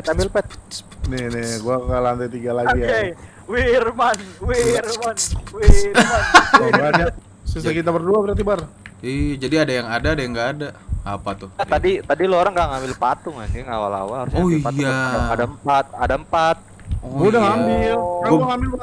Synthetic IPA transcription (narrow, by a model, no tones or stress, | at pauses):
ɛt̪ambɪlpɛt̪̚ | nɛnɛɡuakalant̪at̪iɡalaɡia | wirmanwirmanwimanabaɲat̚ | sisd͡ʒakit̪abərduabəɾat̪ibarid͡ʒadiadajaŋadaːdajaŋɡaːdaapat̪ʊat̪adit̪adilooɾaŋɡaŋamɪlpat̪ʊŋa̰niŋawa̰la̰waɾuopaaadampat̪̚adaəmpat̪̚ | ɔudaŋamɪlaaŋambɪlb